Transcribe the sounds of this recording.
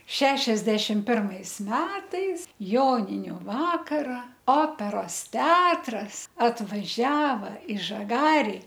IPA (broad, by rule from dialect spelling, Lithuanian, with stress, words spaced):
ˈʃʲæːʃʲɛzʲdʲɛʃʲɪm ˈpʲɪrmɐɪs ˈmʲæːtɐɪs ˈjoːnʲɪnʲʊ ˈʋɑːkɐrɐ ˈoːpʲɛroːs ˈtʲɛɐtrɐs ɐtʋɐˈʒʲæːʋɐ ɪ ʒɐˈɡɑːrʲɪ